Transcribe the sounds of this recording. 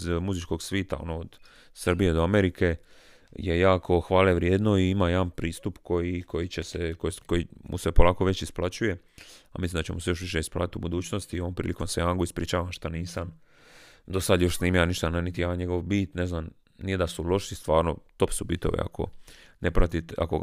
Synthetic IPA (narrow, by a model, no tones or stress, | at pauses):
zmuzit͡ʃko̞ɡsʋiːt̪a̰o̰nood̪̥ | sr̩bije̞d̪oameɾikʰe̞ | jejaːkʰo̞xʋaːleʋɾjeːd̪no̞iimajed̪anpɾiːst̪upko̞jikʰo̞jit͡ɕesekokojimṵsepolaːko̞ʋe̞t͡ɕisplat͡ɕuje̞ | a̰mislimnd̪at͡ɕemuse̞jo̞ʃʋiʃ̬eisplˠa̰ːt̪it̪ubud̪uːt͡ɕnost̪ioompɾḭːliko̞msejanɡoispɾḭːt͡ʃaːʋamʃt̪aniːsam | d̪o̞sad̪jo̞ʃsniːmijaniʃt̪annit̪ijaːɲe̞ɡo̞ʋbiːt̪neznam | nije̞d̪asulo̞ʃist̪ʋaːɾnot̪o̞psubit̪o̰ʋḭa̰kʰo̰nepɾat̪it̪a̰ko